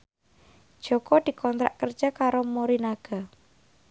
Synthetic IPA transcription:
d̥ʒ̥okɔd̪̥i̤kʰɔnt̪ɾa̰ʔkər̥d͡ʒ̥akaɾomoɾinaɡ̥a

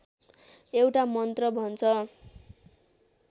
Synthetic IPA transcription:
ewʈamʌnt̪rʌbʱʌnt͡sʰʌ

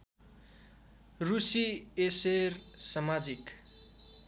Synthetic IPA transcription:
rusiesersʌmad͡zik

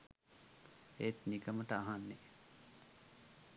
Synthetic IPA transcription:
et̪nikəməʈəaɦanːe

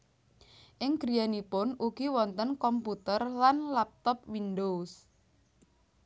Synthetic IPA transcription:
ʔɪŋɡ̥ɾianipʊnʔuɡ̥iwɔnt̪ənkɔmput̪ərlanlap̚t̪ɔp̚windos

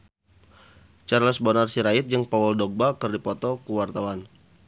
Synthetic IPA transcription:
t͡ʃarləsbɔnarsiɾait̪̚d͡ʒəŋpawɔldɔɡ̚bakərdipɔt̪ɔkuwart̪awan

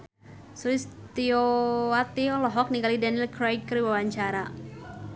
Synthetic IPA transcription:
sulist̪ioat̪iolɔɦɔk̚niŋɡalidanilkɾajd̚kəɾiwawaɲt͡ʃaɾa

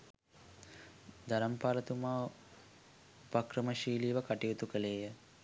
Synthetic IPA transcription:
d̪ɐɾɐmpaːlɐt̪umaː | pakɾəməʃiːliːʋəkaʈiut̪ukəleːjə

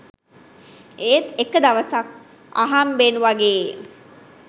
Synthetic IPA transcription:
eːt̪ekəd̪aʋəsak | a̰ɦambenuʋaɡeː

